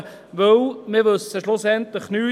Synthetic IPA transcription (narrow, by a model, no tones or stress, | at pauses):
ʋɵwmɪʋɵsəʃlʊsɛnt̪ləχnyː